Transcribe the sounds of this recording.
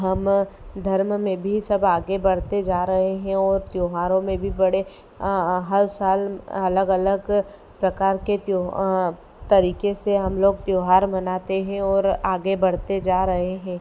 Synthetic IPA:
ɦɐmd̪ʱɐɾmmẽbʱisɐbaːɡebɐɽ̤t̪ed͡ʒaːɾɐɦeɦɛ̃ɔːɾt̪joːɦaːɾõmẽbʱibɐɽe | ɦɐɾsaːlɐləɡɐləɡ | pɾɐkaːɾket̪jo | t̪ɐɾiːkeseɦɐmloːɡ̚t̪joːɦaːɾmɐnaːt̪eɦɛ̃ɔːɾaːɡebɐɽ̤t̪ed͡ʒaːɾɐɦeɦɛ̃ː

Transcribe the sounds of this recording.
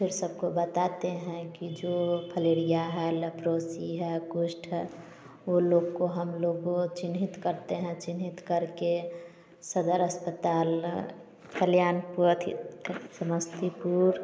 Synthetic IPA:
pʰɪɾsəb̚kobət̪at̪eɦɛ̃kid͡ʒopʰəleɽijaɦɛləpɾosiɦɛkʊʃʈʰɦɛ | oloɡkoɦəmloɡot͡ʃinɦit̪kəɾt̪eɦɛ̃t͡ʃinɦit̪kəɾke | səd̪əɾəspət̪aːl | kʰəljanput̪ʰisəməst̪ʰipuɾ

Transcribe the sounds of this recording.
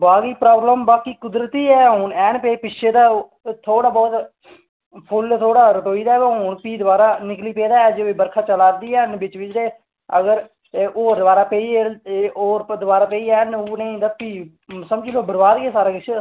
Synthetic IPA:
baːɡiːpɾaːbləmbaːkiːkʊd̪ɾət̪iːɛːɦoːɳɛːnpeːiːpɪʃʰeːd̪aː | t̪ʰoːɽaːbɔːt̪ | pʰʊlːt̪ʰoːɽaːɾoʈoːiːd̪aːɛːbeɦoːɳpiːd̪baːɾaːnɪkliːpeːd̪aːɛːd͡ʒeːiːbəɾkʰaːt͡ʃəlaːɾd̪iːɛːnbɪt͡ʃʋɪd͡ʒɾeː | ə̰ɡəɾ | oːɾd̪ʋaːɾaːpeːiːɛoːɾd̪əʋaːɾaːpeːiːɛːnuːnẽĩd̪aːpiː | səmd͡ʒiloːbəɾbaːd̪iɛːsaːɾaːkɪt͡ʃʰ

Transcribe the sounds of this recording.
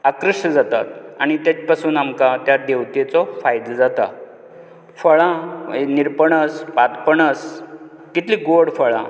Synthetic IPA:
akɾəʂəd͡zat̪a̰t̪a̰ɽ̃it̪jat͡ɕpasuːnamkat̪jad̪ewt̪et͡sɔfajd̪d͡zat̪a̰ | fəɭãniɾpəɳəspat̪pəɳəs | kit̪liːɡoɽfəɭã̰

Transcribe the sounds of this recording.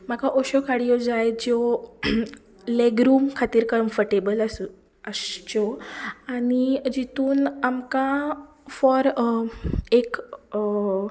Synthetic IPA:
m̤akaʔɔɕɔkʰaɽijod͡zajd͡ʑo | leɡɾuːmkʰat̪iːɾkəmfəɾʈebələ | əst͡ɕoaɽ̃id͡ʑit̪uːnamkã | fɔɾ | ek

